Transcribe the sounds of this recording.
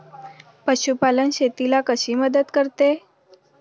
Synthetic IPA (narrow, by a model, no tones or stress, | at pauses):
pəɕupalənɕet̪ilakəɕiːməd̪ət̪kəɾt̪e